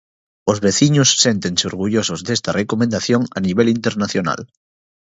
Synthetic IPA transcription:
ozβeθiɲosːe̞nt̪enseoɾɣ̞uʝosozðest̪arʔekomẽnd̪aθjoŋa̰niβ̞elint̪eɾnaθjona̰l

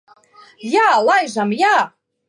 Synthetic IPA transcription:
jalajʒamja

